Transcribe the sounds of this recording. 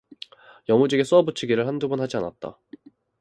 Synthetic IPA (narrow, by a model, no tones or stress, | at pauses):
jʌmud͡ʑiɡes͈ʌbut͡ɕʰiɡiɾɯɭhandubɯnhad͡ʑiana̰t̚t͈a̰